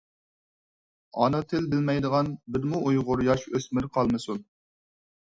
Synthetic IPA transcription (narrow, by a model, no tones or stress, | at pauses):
ɑ̰nɨt̪ʰɪlbɪlmɛjd̪əʁɑnbɪɾmuʔujʁʊɾjɑʃøsmɪɾqʰɑlˠmɨsun